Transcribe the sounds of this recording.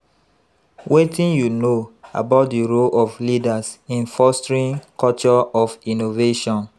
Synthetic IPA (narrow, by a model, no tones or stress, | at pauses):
wetĩnjunoa̰baʊt̚diɹolɔflidasĩnfɔstɹĩnkʰɔt͡ʃɔɔfinoveʃɔ̃n